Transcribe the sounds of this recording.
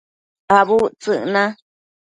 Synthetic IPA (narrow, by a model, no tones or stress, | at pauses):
aβut͡sɨʔnã